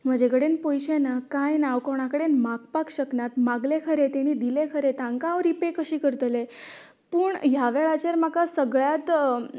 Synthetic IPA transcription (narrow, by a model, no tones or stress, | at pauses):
m̤əd͡ʑeɡəɽenpojɕenakãjnaʋkəʋɳ̃akəɽenmakpakɕəknat̪maɡlekʰəɾet̪eɽ̃id̪ilekʰəɾet̪ãŋkãʋɾipekəɕiːkəɾt̪le | pəːɳɦjaʋeɭat͡ɕeɾmakasəɡɭjat̪